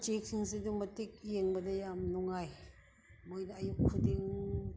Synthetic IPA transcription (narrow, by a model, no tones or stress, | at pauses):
t͡ʃek̚siŋsiduŋmɐtik̚jeŋbɐdɐjamnɔŋaj | mojnɐɐjukkʰːɯdiŋ